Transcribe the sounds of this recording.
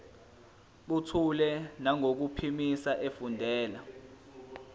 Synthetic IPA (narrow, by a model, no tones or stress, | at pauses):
ɓutʰulɛnaŋok̬upʰimisaʔefundʱɛːla